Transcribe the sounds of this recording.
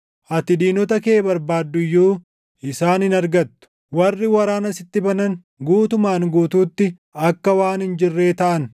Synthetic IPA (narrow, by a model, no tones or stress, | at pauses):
ʔɐt̪ɪd̪iːnɔt̪ɐkeːbɐɾbaːd̪ːʊjːuː | ɪsaːnɪnɐɾɡɐt̪ːʊ̥ | wɐrːɪwɐɾaːnɐsɪt̪ːɪbɐnɐn | ɡuːt̪ʊmaːŋɡuːt̪uːt̪ːɪ | ɐkːɐwaːnhɪnd͡ʒɪrːe̞ːt̪ɐʔɐn